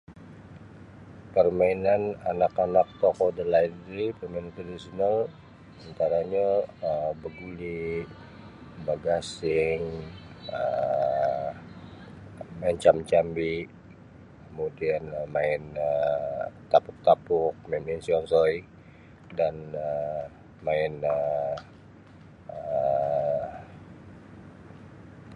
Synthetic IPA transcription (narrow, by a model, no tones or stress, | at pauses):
pərmainananakanak̚t̪ɔkɔdəlaidɾipərmainant̪ɾadisonal | ant̪aɾaɲaəmbəɡuli | baɡasɪŋ | ə | maɪnt͡ʃamt͡ʃambiʔ | kəmudianmaɪnə | t̪apʊk̚t̪apʊk̚maminsiɔŋsɔi | danə | maɪnə | ə